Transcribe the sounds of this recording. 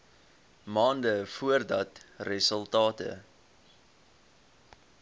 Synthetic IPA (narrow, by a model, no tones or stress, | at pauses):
mɑːndəfuərdɐtrəsəlˠtɑːtə̰